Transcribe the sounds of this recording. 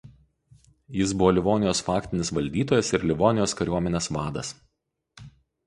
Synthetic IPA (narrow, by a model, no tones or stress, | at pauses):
jɪs̬bʊʋoːlʲɪʋoːnʲɪjoːsfɑːkt̪ʲɪnʲɪsʋɐlʲd̪ʲiːt̪oːjɛsɪɾlʲɪʋoːnʲɪjoːskɐɾʲuɔmʲɛnʲeːsʋɑːd̪ɐs